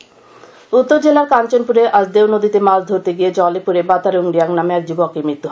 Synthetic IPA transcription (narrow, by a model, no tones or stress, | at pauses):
ut̪ːoɾd͡ʑelaɾkant͡ɕonpuɾeʔasd̪ewnod̪ʱit̪emald̪ʱoɾt̪eɡijed͡ʑɔlepuɾebat̪aɾeuŋɾijaŋnameɛk̚d͡ʑubɔkːemɾit̪ːuɦa